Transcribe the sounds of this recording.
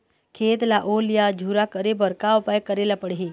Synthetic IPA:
kʰeːt̪laʔoːlijad͡ʒʱuːɾakəɾebəɾkaopajkəɾelapəɽɦi

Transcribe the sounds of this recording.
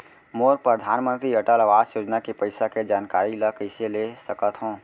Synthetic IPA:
moːɾpɾəd̪ʱaːnmə̃nt̪ɾiɐʈəlaʋaːsjoːd͡ʒnakepəɪsaked͡ʒaːnkaːɾiləkəɪselesəkət̪ɦõː

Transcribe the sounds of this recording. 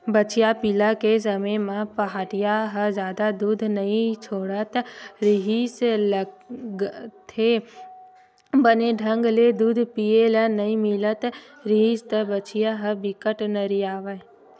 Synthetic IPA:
bət͡ʃijapilakes̬əmẽmãpɐɦaːʈijaɦəd͡ʒjaːd̪ad̪uːd̪ʱnɐĩt͡ʃʰoːɽət̪ɾɪɦisləɡt̪ʰe | bəneɖʱə̃ŋɡled̪uːd̪ʱpijelənɐĩmɪlət̪ | ɾiɦist̪əbət͡ʃijaɦəbɪkəʈnəɾiaːʋə

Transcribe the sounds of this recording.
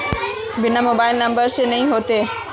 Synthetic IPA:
bɪnamoːbaːɪlnə̃mbəɾsenəɦĩːɦoːt̪eː

